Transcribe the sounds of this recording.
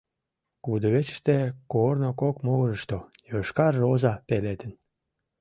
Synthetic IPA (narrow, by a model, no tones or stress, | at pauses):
kud̪əβet͡ɕə̥ʃt̪ekornokokmoɣɾəʃt̪o | joʃkɑrːozɑpelet̪ən